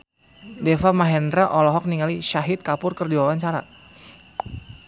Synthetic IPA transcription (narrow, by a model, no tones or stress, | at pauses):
dɛfamaɦɛndɾaʔɔlɔɦɔk̚niŋaliʃaɦit̪̚kapʊrkərdiwawaɲt͡ʃaɾa̰